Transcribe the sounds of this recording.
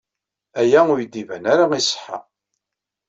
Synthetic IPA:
æjæʊjd̪ːivænaɾaisə̥ħa̰

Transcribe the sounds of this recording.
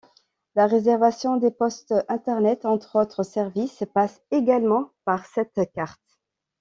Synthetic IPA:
laʁezɛʁvasjɔ̃d̪epɔst̪ɛ̃t̪ɛʁnɛt̪ɑ̃t̪χot̪χəsɛʁvispas | eɡalmɑ̃paʁsɛt̪kaʁt̪

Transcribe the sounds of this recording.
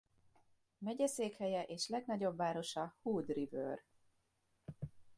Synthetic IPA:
mɛɟɛseːkhɛjɛʔeːʃlɛɡnɒɟo̞bːaːɾo̞ʃɒhuːd̪rivø̰ːr

